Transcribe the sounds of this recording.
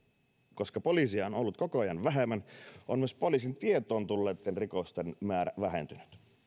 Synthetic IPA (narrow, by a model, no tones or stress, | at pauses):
ko̞skɑpolisiɑono̞lːut̪̚kokoɑjɑnʋæɦemːænʔomyøspo̞lis̬int̪iet̪o̞ːnt̪ulːeːt̪ːenrikost̪enmæːɾæ̰ʋæɦḛnt̪yny̥t̪